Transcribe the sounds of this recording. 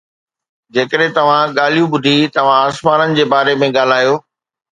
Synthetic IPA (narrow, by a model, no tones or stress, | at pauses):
d͡ʑeːkəɗɦẽt̪ɐʋ̤ãɠaːl̤ijũɓʊd̪ʱit̪ɐʋ̤ãaːsmaːnənɪ̆d͡ʑeːbaːɾemẽɠaːl̤aːjoː